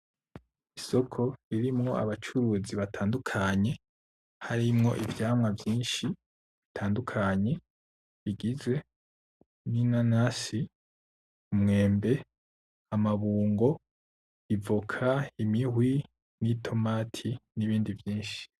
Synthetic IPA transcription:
iso̞kʰo̞iɾimŋo̞a̰βat͡ʃuɾuziβatʰaːndukʰaɲe̞ | haɾimŋo̞̰ʔivjaːmŋavjiːnʃi | βitʰaːndukʰaɲe̞ | iɡize̞ | ninanasi | umŋe̞ːmbe̞ | amaβuːŋɡo̞ | ivukʰaimiɦwi | nitʰo̞maːtʰiniβiːndivjiːnʃi̥

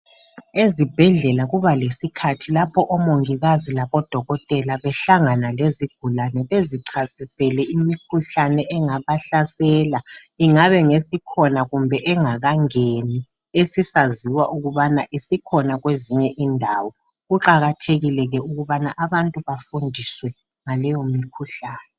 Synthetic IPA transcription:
ezib̥ʱɛɮɛlaɣuβalesikʰatʰilapʰɔʔɔmoŋiɣazilaβɔd̥ʱɔɣɔtʼɛlaβɛɬaŋanaleziɡ̥ʱulanɛβeziǀʰasisɛlɛimikʰuɬanɛʔɛŋaβaɬasɛla | iŋaβɛŋesikʰɔnaɣumbʱɛʔɛŋaɣaŋeni | esisaziwaʔuɣuβanaʔisikʰɔnaɣweziɲɛʔindʱawɔ | ɣuǃaɣatʰeɣilɛɣɛuɣuβanaʔaβantʼuβafundʱiswɛ | ŋalɛjomikʰuɬaːnɛ

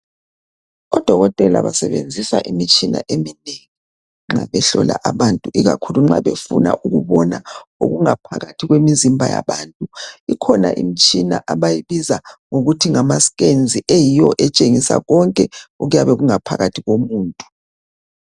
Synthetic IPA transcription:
ɔd̥ʱɔɣɔtʼɛla̰βasɛβend͡zʱisaʔimit͡ʃʼina̰ʔemineŋi | ŋ͡ǁaβɛɬɔlaʔaβantʼuʔiɣa̰kʰuluŋ͡ǁaβefṵna̰ʔuɣuβɔnao̰ɣuŋapʰaɣatʰiɣwemizimbʱaja̰βaːntʼuikʰɔna̰ʔḭmit͡ʃʼina̰ʔaβajiβizaŋoɣutʰiŋamasɣend͡zʱiʔejijɔʔɛt͡ʃʼeŋisa̰ɣɔŋkʼɛuɣujaβɛɣuŋapʰaɣatʰiɣomuːntʼu̥

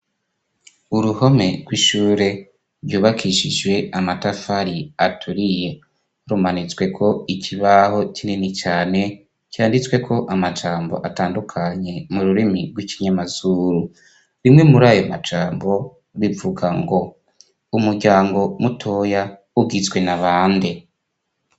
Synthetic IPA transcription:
uɾuho̞me̞ɡ̥wiʃuːɾe̞ | ɾjuːβakʰiʃid͡ʒwe̞amatafaɾiatʰuɾije | ɾumanit͡swe̞kʰo̞icʰiβaho̞cininit͡ʃaːne̞ | ciaːndit͡swe̞kʰo̞ʔamad͡ʒaːmbo̞̰ʔataːndukʰaɲe̞muɾuɾimiɡwiciɲamazuɾu | ɾimŋe̞muɾaːjomad͡ʒaːmbo̞ | βivuɡaŋɡo̞ | umuɾɟaːŋɡo̞mutʰo̞ja | uɡit͡swe̞naβaːnde

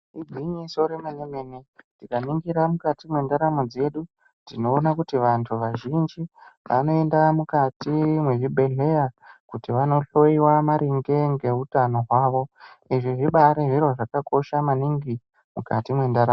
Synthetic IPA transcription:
id͡ziɲiso̞ɾemaɲemenetikaniŋɡiɾamukatimwe̞ndaɾamod͡ze̞ɗu | dino̞ːnakutiʋantʰuʋaʒind͡ʒiʋʔa̰no̞e̞ndamukatimwe̞ʐibʱe̞ɮe̞jakutiʋano̞ɬo̞iwamaɾiŋɡe̞ŋɡe̞utano̞ɦwaːʋo̞ | iʐiʐiɓaɾeʐiro̞ʐakako̞ʃamaniŋɡi | mukatimwe̞ndaɾaː

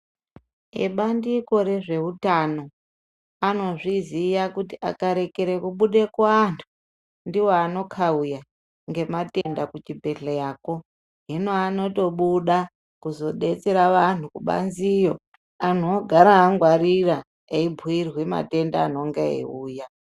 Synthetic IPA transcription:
ḛɓandiko̞ɾe̞ʐe̞utano̞ | ano̞ʐizijakutiʔa̰kaɾe̞ke̞ɾekuɓuɗe̞kwːntʰu̥ | ndiwoano̞kʰauja | ŋɡe̞mate̞ndakut͡ʃibʱe̞ɮejaːko̞ | ɦinoano̞to̞ɓuɗa | kuzo̞ɗe̞t͡seɾaʋan̤ukuɓa̰nzijo̞ | anoɡʱaɾaːŋɡwaɾira | eibʱuirwe̞ma̰te̞ndaːno̞ŋɡeḛuːja

